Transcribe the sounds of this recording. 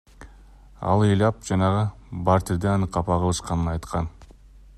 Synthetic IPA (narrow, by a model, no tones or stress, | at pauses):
ɑ̰lˠɯjlˠɑp̚d͡ʒɑnɑʁɯbɑɾt̪iɾd̪eɑnɯqːɑpɑʁɯlˠɯʃqɑnɯnɑjt̪qʰɑn